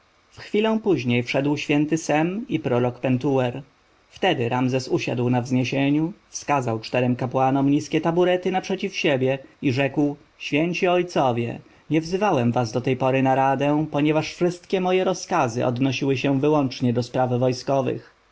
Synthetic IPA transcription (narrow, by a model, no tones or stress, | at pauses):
fxfʲilɔ̃w̃puʑɲejfʂɛd̪wɕfʲjɛnt̪ɘsɛmipɾɔɾɔkpɛnt̪uwɛɾ | ft̪ɛd̪ɘɾamzɛsuɕa̰d̪wnavzɲeɕeɲufskazawt͡ʂt̪ɛɾɛmkapwanɔmɲiskʲɛt̪abuɾɛt̪ɘnapʂɛt͡ɕifɕebʲjɛiʐɛkw | ɕfʲjɛɲt͡ɕiɔjt̪sɔvʲjɛ̰ | ɲɛvzɘvawɛmvazd̪ɔt̪ɛjpɔɾɘnaɾad̪ɛ̃pɔɲɛvaʂfʂɘst̪kʲɛmɔjɛɾɔskazɘ̰ʔɔ̰d̪nɔɕiwɘɕɛvɘwɔnt͡ʂɲɛd̪ɔspɾavvɔjskɔvɘ̰x